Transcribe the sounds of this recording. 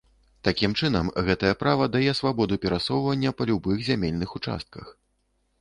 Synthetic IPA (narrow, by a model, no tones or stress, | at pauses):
t̪akʲimt͡ʂɨnɐmɣɛt̪ɐjɐpɾavɐd̪ajɛsvabɔd̪upʲɛɾasɔwvɐnʲːɐpɐlʲubɨxzʲamʲelʲnɨxut͡ʂa̰st̪̚kɐx